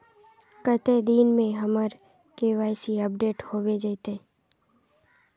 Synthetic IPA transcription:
kət̪ed̪iːnmẽɦəməɾ | keʋaːjsiəp̚ɖeːʈhoːʋed͡ʒəjt̪e

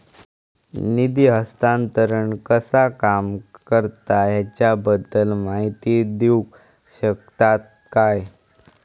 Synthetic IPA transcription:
nid̪iɦəst̪ant̪əɾəɳkəsakamkəɾt̪aɦjat͡ɕjabəd̪ːəlmaɦit̪id̪iwk | ɕək̚t̪at̪̚ | kaj

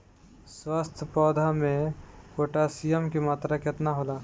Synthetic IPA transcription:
swaːst̪ʰpɾɔːd̪ʱamẽkoːʈasijəmkimaːt̪ɾakɪt̪naɦoːlaː

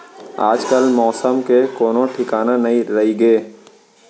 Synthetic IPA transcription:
aːd͡ʒkəlmɔːsəmkekoːnõʈʰɪkaːnanɐɦĩɾɐɦiɡeː

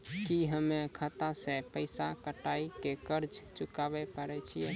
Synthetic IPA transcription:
kiɦəmːekʰət̪asẽpəɪsakəʈaikekəɾd͡ʒt͡ʃukabɛpəɾɛt͡ʃʰijɛ

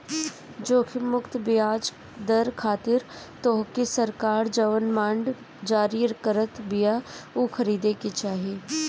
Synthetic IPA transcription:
d͡ʒoːkʰɪmʊkt̪bɪaːd͡ʒ | d̪əɾkʰaːt̪ɪɾt̪oːɦkisəɾkaːɾd͡ʒɐʋənmãːɳɖ | d͡ʒaːɾiːɾkəɾət̪bɪjaoxʰɐɾiːd̪eket͡ʃaːɦieː

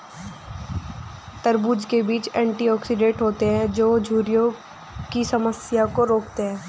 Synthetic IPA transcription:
t̪əɾbuːd͡ʒkebiːt͡ʃɛ̃ːɳʈiɔːksɪɖẽːʈɦoːt̪eɦɛ̃d͡ʒoːd͡ʒʱuːɾijõ | kisɐməsjakoɾoːkt̪eɦɛ̃ː

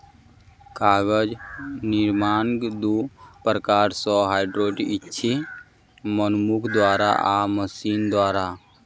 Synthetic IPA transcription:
kaːɡəd͡ʒniɾmaːnɡd̪upɾəkaːɾsɔɦaːɪɖɾoːʈitːʃʰi | mənmukʰd̪waːɾa̰ʔaməsiːnd̪waːɾa

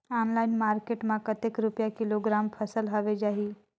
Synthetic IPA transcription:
aːnlaːinmaːɾkeʈmãkət̪ekɾupjakɪloɡɾampʰəsəlɦaʋed͡ʒaːɦiː

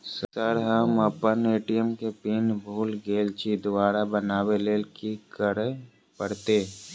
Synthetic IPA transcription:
səɾɦəməpəneːʈijəmkepiːnbʱuːlɡeːlt͡ʃid̪ʊʋaːɾabənaːweleːlkikəɾe | pəɽt̪e

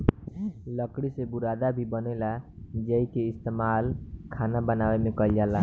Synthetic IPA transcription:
ləkɽisebuɾad̪abʱibənɛlad͡ʒəikeɪst̪emalkʰanabənawemekəld͡ʒala

